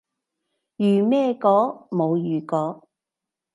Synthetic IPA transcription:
jyː˨mɛː˥˧kɔː˨˥mo˨˧wjyː˨˩kɔː˨˥

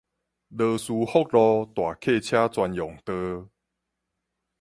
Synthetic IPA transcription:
lə˧˩su˧˦hɔ˦k̚lɔ˧t̪wa˨˩kʰe˥˨t͡ɕʰja˦t͡swa˧njɔ˨˩ŋt̪ə˧

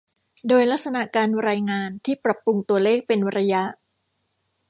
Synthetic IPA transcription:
doː˧jla˦˥k̚sa˧na˨˩ʔkaː˧nɾaː˧jŋaː˧nt̪ʰiː˥˩pɾa˨˩pːu˧ŋt̪u˧ɐleː˥˩k̚pe˧nɾa˧ja˦˥ʔ

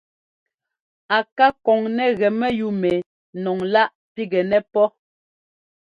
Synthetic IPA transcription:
a˨ka˦kɔ˨ŋnɛ˦ɣɛ˨mɛ˦ju˦mɛ˨ | nɔ˨ŋla˦ʔ | pi˦ɡɛ˨nɛ˦pɔ˦

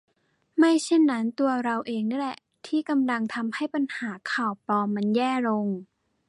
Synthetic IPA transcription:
ma˥˩jt͡ɕʰe˥˩nːa˦˥nt̪u˧ɐɾa˧wʔeː˧ŋna˥˩lɛ˨˩ | t̪ʰiː˥˩ka˧mla˧ŋt̪ʰa˧mha˥˩jpa˧nhaː˩˦kʰaː˨˩wplɔː˧mːa˧njɛː˥˩ɾo˧ŋ

